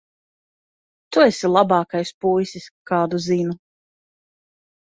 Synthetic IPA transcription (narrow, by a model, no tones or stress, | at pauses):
t̪uesilˠabɑːkajspujsiskaːd̪uzinu